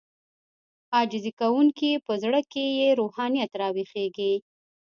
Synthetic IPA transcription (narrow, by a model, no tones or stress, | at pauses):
ɑd͡ʒɪzikawuŋkipəzɽəkejeɾuhɑnijat̪ɾɑwixeɡi